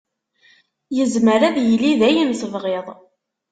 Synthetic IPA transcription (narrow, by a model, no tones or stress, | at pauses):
jəzməɾæðjəliðæjənθəvʁeðˤ